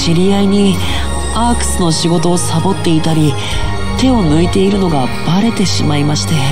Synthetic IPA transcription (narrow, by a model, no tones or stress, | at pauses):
ɕiɾʲiaiɲ̟i | akɯ̟̥sɨno̞ɕiɡo̞t̪o̞ːsabo̞t̪ːe̞it̪aɾʲi | t̪e̞o̞nɯ̟it̪e̞iɾɯ̟no̞ɡa | b̥aɾe̞t̪e̞ɕimaimaɕi̥t̪e